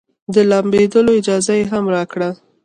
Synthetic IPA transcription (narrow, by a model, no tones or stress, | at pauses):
d̪əlambed̪əloɪd͡ʒɑzajeɦamɾɑkɽa